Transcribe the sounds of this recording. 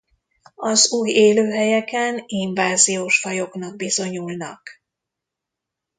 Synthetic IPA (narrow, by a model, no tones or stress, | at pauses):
ɒzuːjeːløːɦɛjɛkɛniɱvaːzijoːʃfɒjo̞knɒɡ̚bizo̞ɲulnɒ̰k